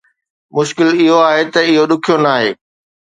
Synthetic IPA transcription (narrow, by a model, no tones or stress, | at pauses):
mʊʃkɪlɪɦoaːɦet̪ɐɪɦoɗʊkʰijonaːɦeː